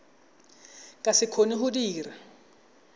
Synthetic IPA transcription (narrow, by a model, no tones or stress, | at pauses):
kʼasɪkʰoniɦʊdiːra